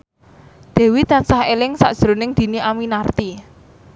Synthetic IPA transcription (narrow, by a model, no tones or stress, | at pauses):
d̪̥ɛ̤wit̪ansahelɪŋsa̰ʔd̥ʒ̥ɾo̤nɪŋd̪̥i̤niʔaminart̪i